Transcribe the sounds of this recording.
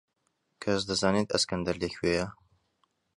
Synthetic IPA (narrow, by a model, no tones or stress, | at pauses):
kʰɐsd̪ɐzaːnet̪ɐskɐnd̪ɐɾlekwejɐ